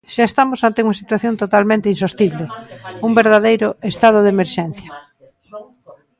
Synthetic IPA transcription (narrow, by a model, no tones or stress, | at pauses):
ʃaest̪amosant̪euŋasit̪waθjont̪ot̪almẽnt̪einsost̪iβlɪumbeɾð̞aðejɾʊest̪að̞ʊðemeɾʃɛn̟θjɐ